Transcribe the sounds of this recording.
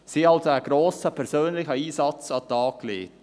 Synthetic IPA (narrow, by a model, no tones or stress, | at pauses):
siːɑlsoæɡ̥ɾoːsəpʰɛɾsøːnlɪçəiːsɑt͡sɑt̪ɑːkːlḛːt